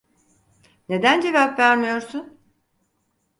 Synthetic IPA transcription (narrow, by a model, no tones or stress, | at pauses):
ne̞d̪ænd͡ʒe̞vapvæɾmijo̞ɾsun